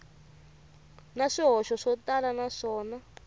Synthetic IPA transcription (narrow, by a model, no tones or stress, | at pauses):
naʂiɦɔʃɔʂɔtalanaʂɔːna